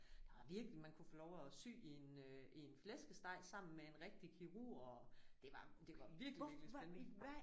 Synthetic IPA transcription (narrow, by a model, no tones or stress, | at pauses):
d̥ɑʋɑ̈ʋiɐɡ̥limænkʰufolɒʊæsy̰ːienøienflesɡ̥əsd̥ɑ̈ɪ̰sɑ̈m̰n̩mee̝nʁɛɡ̥̚d̥ikʰiʁṵɒd̥e̝ʋɑ̈d̥e̝ʋɑ̈ʋiɐɡ̥liɡlisen